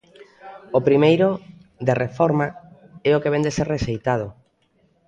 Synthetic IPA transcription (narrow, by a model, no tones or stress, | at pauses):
opɾimejɾo | ðerefɔɾma | ɛokeβend̪eseɾreʃejt̪að̞ʊ